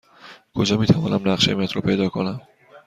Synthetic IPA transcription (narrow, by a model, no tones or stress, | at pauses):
kʰo̞d͡ʒɒːmiːt̪ʰævɒːnæmnæχʃemiæt̪ʰɾɒːpʰe̞jd̪ɒːkʰo̞næm